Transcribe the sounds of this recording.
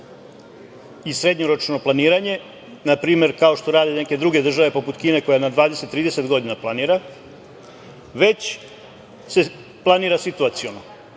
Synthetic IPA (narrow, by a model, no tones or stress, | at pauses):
isɾe̞d̪ɲoɾo̞t͡ʃno̞planiːɾaɲe̞ | napɾiːme̞ɾkao̞ʃt̪oɾaːd̪eneke̞d̪ɾuɡe̞d̪r̩ʒaʋe̞po̞put̪kiːne̞ko̞janad̪ʋaːd̪e̞set̪ːɾiːd̪e̞se̞t̪ɡo̞d̪inaplˠaniːɾa | ʋe̞t͡ɕ | se | plˠaniːɾasit̪uat̪sijono